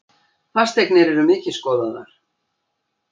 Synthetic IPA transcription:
θḁst̪ʰeknɪɾɛɾʏmɪːcɪskɔːðaða̰ɾ̥

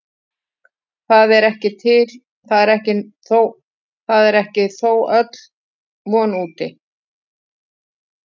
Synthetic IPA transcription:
θaðɛɾɛhcɪt̪ʰɪl | θaðɛɾɛhcɪθow | θaðɛɾɛhcɪθowœt̪l̥ | mɔːnuːt̪ɪ

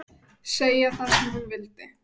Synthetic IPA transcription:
seːjaθaðsɛmhunvɪlt̪ɪ

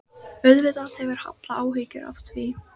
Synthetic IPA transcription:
œɥðvɪðaθɛvɪɾ̥ha̰t̪laaːwɦɪcʏ̰ɾa̰fsvi

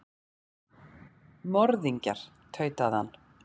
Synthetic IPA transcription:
mɔɾðiɲca̰ɾ̥ | t̪ʰœːɥt̪aðha̰nː

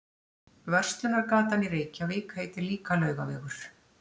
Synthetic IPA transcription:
vœr̥st̪lʏnaɾkaːt̪aniɾeːjcavɪːkhejt̪ɪɾliːkalœːɥɣavɛːɣʏɾ̥

